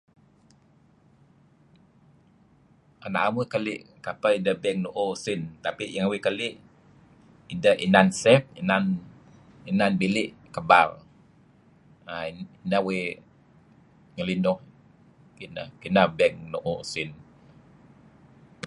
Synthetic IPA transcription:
ana̰ʔamukəlɪʔkapaindəhbɛŋnoʔosɪnt̪apiʔjaŋwekəlɪʔ | idəhḭnansɛp̚inan | inanbilɪʔkəba̰l | ainawe | ŋəlinʊh | kinə̰hkinabɛŋnoʔosɪn

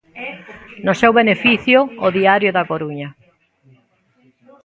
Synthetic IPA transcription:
nʊsewβenefiθjʊːðiaɾjʊðakoɾuɲɐ

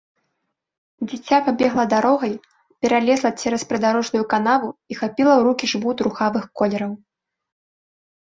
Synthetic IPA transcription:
d͡zʲit͡sʲːapabʲɛɣlˠɐd̪aɾɔɣɐj | pʲɛɾalʲɛzlˠɐt͡sʲɛɾɐspɾɨd̪aɾɔʐnujukanavuixapʲilˠɐwɾukʲiʐvut̪ɾuxavɨxkɔlʲɛɾɐw

